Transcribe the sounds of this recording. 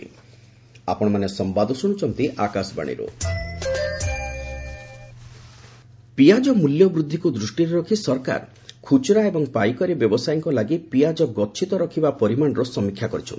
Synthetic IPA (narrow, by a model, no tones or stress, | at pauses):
a̰pɔɽ̃ɔmanesɔmbad̪ʱɔsuɽ̃ut͡ʃɔnt̪iʔakasba̰ɽ̃ḭɾo̰ | piad͡ʒɔmuljɔbɾud̪ʱːikud̪ɾusʈiɾɔɾɔkʰisɔɾka̰ɾ | kʰut͡ʃɾaebɔŋpajkɔɾibjɔbɔsajɔŋkɔlaɡipijad͡ʒɔɡɔtːʃʰit̪ɔɾɔkʰibapɔɾimaɳ̃ɔɾɔsɔmikʰːjakɔɾit͡ʃʰɔ̰nt̪